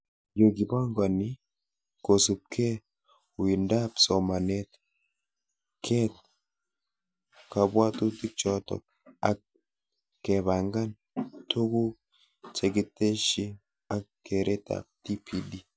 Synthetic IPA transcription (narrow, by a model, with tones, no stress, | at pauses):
jo˨ki˨ba˦ŋɡa˨ni˦ | ko˨su˨p̚kʰɛ˦ | wi˨ndapsɔ˨ma˨net | kʰɛ˦t̚ | ka˨bwa˦tu˦ti˦k̚t͡ʃɔtɔ̰ | ak̚ | kɛβa˨ŋɡa˦n | tʰu˦ku˦k | t͡ʃeɡi˦te˦ʃi˦ | a˨kːeɾʔe˦ta̰˨k̚ti˦pʰidi˦